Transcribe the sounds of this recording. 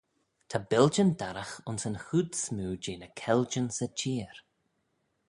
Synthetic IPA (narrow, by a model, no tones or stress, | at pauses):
t̪ʰabɪld͡ʒəndaɾaxʊnsənhudsmuːd͡ʒeːnəkʰɛld͡ʒənsət͡ʃʰiːɾ